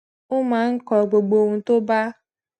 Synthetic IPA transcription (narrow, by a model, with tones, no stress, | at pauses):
ʊ˦ma˨ŋ̩˦kɔ˨ɡ͡bo˨ɡ͡bo˨ŋ̩˨tʊ˦ba˦